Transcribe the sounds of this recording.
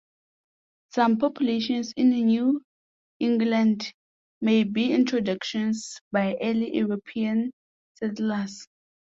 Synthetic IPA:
sãmpʰɔpʰjuleʃɔ̃nsĩnnju | ĩŋɡlãnd | mejbiĩntʰɹɔdakʃɔ̃nsbajʔɛliuɹopʰiãn | sɛtlas

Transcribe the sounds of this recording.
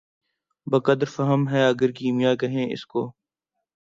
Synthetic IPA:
bəkəd̪əɾfəɦəmɦɛːɐɡəɾkiːmɪjaːkɐɦẽːɪ̰skoː

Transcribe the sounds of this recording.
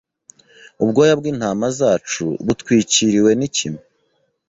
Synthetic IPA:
ub̚ɡo̞jabɡiːn̥haːmazaːt͡ʃṵβutkwiːciɾiwe̞nicime

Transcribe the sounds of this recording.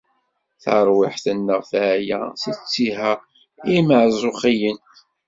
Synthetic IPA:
θə̰ɾˤwɪħθənːəʁfʕjæ̰sət͡sːiɦæ | iməʕzˤʊχijən

